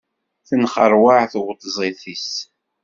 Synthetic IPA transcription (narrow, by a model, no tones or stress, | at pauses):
θənχəɾˤwaʕθwt̪ˤːzˤiθis